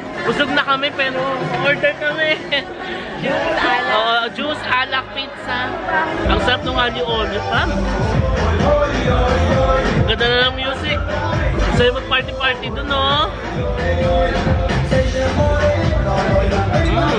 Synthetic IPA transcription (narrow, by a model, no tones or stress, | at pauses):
bʊsoɡ̚nɐkɐmɛpɛːɾoʔoɹd̪ɛɾkɐmɛ | ʔoːʔod͡ʒusʔalɐk̚pit̪saʔɐŋsɐɾɐp̚nʊŋʔaːnɪʔoːd̪ɛkɐ | ɐɡɐnd̪ɐnɐlɐŋmjuːsɪk̚sɐjʊmɐɡ̚paɹt̪ɪpaɹt̪ɪt̪ono